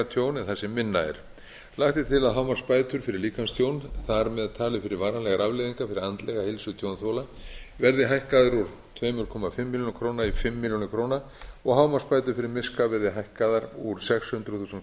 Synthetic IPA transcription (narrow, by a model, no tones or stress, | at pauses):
t̪ʰjoːwnɛθɛsɛmːɪnːa̰ɛ̰ɾ̥ | laxt̪ɪt̪ʰɪlaðɦawmaɾ̥spaːjt̪ʏɾ̥fɪɾɪɾliːkanst̪ʰjoːwnθaɾmɛðaðt̪ʰaːlɪfɪɾɪɾvaːɾanlɛɣaɾavlɪðiŋkafɪɾɪɾant̪lɛɣahɪlsʏt̪ʰjownθowlavɛɾðɪɦajhkaðʏɾuɾ̥ | t̪ʰvɛːmʏɾkʰɔːmafɪmːɪljonkʰɾoːwnaifɪmːɪljonɪkʰɾoːwna | ɔɣhaːwmaspaːjt̪ʏɾ̥fɪɾɪɾmɪskavɛɾðɪɦajhkaðaɾuɾ̥sɛkshʏnt̪ɾʏθuːsʏn